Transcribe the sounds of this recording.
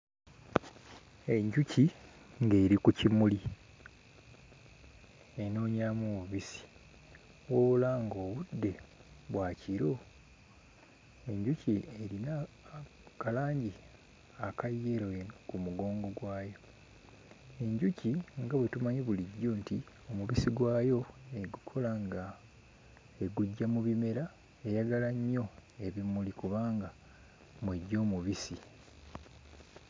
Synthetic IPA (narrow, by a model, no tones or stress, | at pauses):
e̞ɲɟuci | ŋɡe̞ːɾikucimuli | eno̞ːɲaːmoβuβisi̥ | wo̞ːβulaːŋɡo̞ːβudːe̞βwaːciɾo̞ | e̞ɲɟucieɾina | kalaːɲɟi | akajːe̞ɾojenkumuɡo̞ːŋɡo̞ɡwaːjo̞ | e̞ɲɟuciŋɡaβwetumaɲeβuliɟːoːnti | o̞muβisiɡwaːjo̞eɡukʰo̞laŋɡa | eɡuɟːamuβime̞ɾa | e̞jaɡalaɲːo̞e̞βimulikuβaːŋɡa | mweɟːo̞ːmuβisi